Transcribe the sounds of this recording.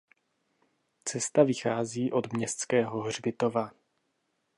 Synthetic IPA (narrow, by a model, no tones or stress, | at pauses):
t͡sɛst̪avɪxaːziːʔo̞d̪mɲɛst̪t͡skɛːɦo̞ɦr̝bɪt̪o̞va